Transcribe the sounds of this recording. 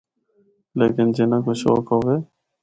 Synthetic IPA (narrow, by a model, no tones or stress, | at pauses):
leːkɪnd͡ʒeːnãːkoːʃo̰ːkɦoːʋeː